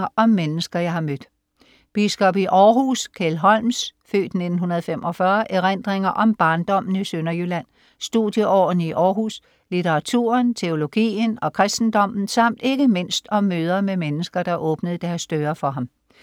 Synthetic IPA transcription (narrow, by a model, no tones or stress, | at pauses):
ɐʔɒ̽mːenəsɡ̥ɐjɑ̈ɪhɑ̈mød̥ | b̥isɡ̥ɒ̽b̥iʔɒːɦuskʰelɦɒ̽l̰msfø̰ːd̥ne̝d̥n̩ɦunɐð̞̩ˠfemʔɒ̽fɶɐʔeʁen̰d̥ʁeŋɐʔɒ̽mb̥ɑ̈ːnd̥ɒ̽m̰n̩isønɐjylæn̰ | sd̥uðˠjəʔɒ̰ːn̩iʔɒːɦus | lit͡sʰeʁɑ̈t͡sʰṵːɐnt͡sʰe̝o̝lo̝ɡ̥ḭːnɒ̽kʰʁɛsd̥n̩d̥ɒ̽m̰n̩sɑ̈m̰d̥e̝ɡ̥əme̝n̰sd̥ɒ̽mːøːð̞ˠɐmemenəsɡ̥ɐd̥ɑ̈ʔɔ̽ːb̥nəð̞̩ˠd̥æɐsd̥øːɐfɒ̽ɦɑ̈m